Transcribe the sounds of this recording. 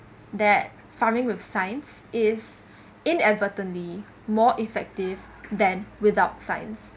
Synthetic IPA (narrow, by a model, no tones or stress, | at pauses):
d̪ɛt̚ | famɪ̃ŋwɪθsãɪ̃ns | ɪs | ɪ̃nɛdvətə̃nli | mɔːʔifɛk̚tɪv | d̪ɛ̃nwɪdaʊtsãɪ̃ns